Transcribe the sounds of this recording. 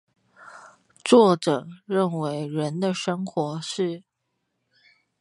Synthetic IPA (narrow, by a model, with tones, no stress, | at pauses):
t͡swɔ˥˩ʈ͡ʂɤ˨˩ɻə˥˩nwe˧˥ɪɻə˧˥nd̪ə˧ʂə˥ŋxwɔ˧˥ʂɻ̩˥˩